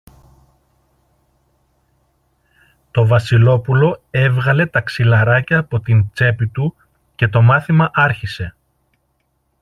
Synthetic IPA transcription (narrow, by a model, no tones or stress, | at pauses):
t̪o̞vɐsilo̞pulo̞e̞vɣɐle̞t̪ɐksilɐɾɐcɐːpo̞t̪int͡se̞pit̪u | ce̞t̪o̞mɐθimɐʔɐɾçise̞